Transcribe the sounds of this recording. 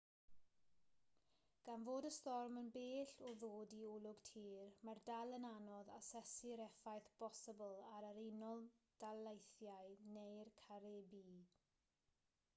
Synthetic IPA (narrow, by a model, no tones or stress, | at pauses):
ɡ̥anvoːdəstɔrmənbeːɬɔðoːdiulˠʊɡ̥tʰiːrmardalˠənanɔðasɛsɪɾɛfajθb̥ɔsəbəlˠaɾəɾenɔlˠd̥alˠejθjaɨnejrkʰaɾebiː